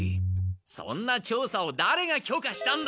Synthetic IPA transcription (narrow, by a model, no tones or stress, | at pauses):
isõ̞̰nːat͡ɕo̞ːsao̞d̪aɾe̞ɡakʲo̞ːkaɕi̥t̪ãnd̪